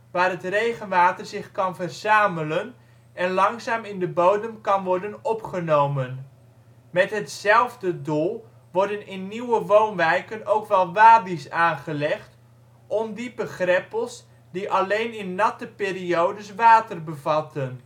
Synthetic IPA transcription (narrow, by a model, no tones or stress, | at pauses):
ʋaːrɦətrejχənʋaːtərzɪχkɑnvərz̥aːmələn | ɛnlɑŋzaːmɪndəbowdəmkɑnʋɔɹdənɔpχənowmən | mɛtɦətsɛlˠvdədulˠ | ʋɔɹdənɪnːiwəʋownʋɛjkənowkʋɛlˠʋaːbisaːnχəlɛχt | ʔɔmdibəχrɛpəlˠs | diʔɑlejnɪnːɑtəpɪːɾiowdəsʋaːtərbəvɑtən